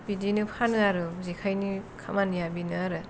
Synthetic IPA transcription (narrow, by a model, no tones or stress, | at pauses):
pidinɯpʰanɯaɾɯzikʰajnikʰamanjabinɯaɾɯ